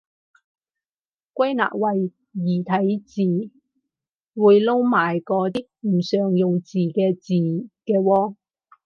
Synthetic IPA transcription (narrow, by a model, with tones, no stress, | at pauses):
kʷɐ˥jna̰ː˨k̚wɐ˨jː | iː˨˩t̪ʰɐ˨˥jt͡siː˨˩ | wuː˨˧jlo˥wmaː˨˩jkɔː˨˧t̪iː˥k̚m̩˨˩sœː˨ŋjʊ˨ŋt͡siː˨˩kɛː˧t͡siː˨kɛː˧wɔː˧